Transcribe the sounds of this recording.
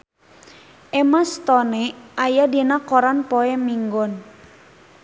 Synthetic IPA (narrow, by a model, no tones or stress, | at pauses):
ʔɛmast̪ɔnɛʔajadinakɔɾanpɔɛmiŋɡɔn